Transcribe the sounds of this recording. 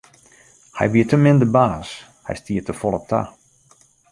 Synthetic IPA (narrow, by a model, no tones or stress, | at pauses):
hɛ̰jʋiətəmɪndəbaːs | hɛ̰jstiətəfɔlˠəktʰa̰